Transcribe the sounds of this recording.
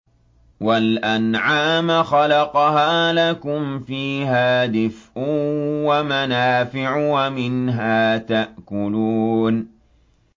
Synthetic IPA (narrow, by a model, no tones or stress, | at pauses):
walʔanʕaːmxɑlɑqɑhaːlakʊmfiːɦaːd̪ɪfʔʊwamanaːfɪʕwamɪnɦaːt̪aʔkʊluːn